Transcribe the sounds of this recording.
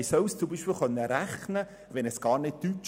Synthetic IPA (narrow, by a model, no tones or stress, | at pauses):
sœwst͡sumbiːʃpɪːlχœnːəɾæχnə | ʋɛnɛsɡ̥ɑːɾnɪt̚tyt͡ʃ